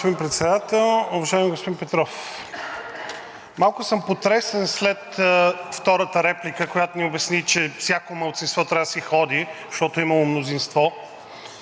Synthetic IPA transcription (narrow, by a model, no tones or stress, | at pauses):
pod̪inpɾɛt̪sɛd̪at̪ɛlˠʊvɐʒaɪmiɡospod̪inpɛt̪ɾɔf | malˠkʊsəmpot̪ɾɛsɛnslɛt̪ft̪ɔɾət̪əɾɛplikəkojat̪ʊniʊbɛsnit͡ʃɛfsʲakomɐlˠt̪sinst̪vɔt̪ɾʲavd̪əsixɔd̪i | ʃt̪ɔt̪oimɐlˠomnozinst̪vɔ